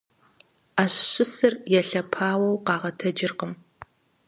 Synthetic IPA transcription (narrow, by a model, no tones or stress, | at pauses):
aːɕɕʊsɨrjɛɬɐpʰaːwɐwqɑːʁɐtʰɐd͡ʒɪrqəm